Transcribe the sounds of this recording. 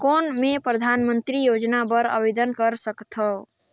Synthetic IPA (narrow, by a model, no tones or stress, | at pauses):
konmepɾəd̪ʱanmənt̪ɾijod͡ʒnabəɾə̰bed̪ənkəɾsəkt̪ʰəw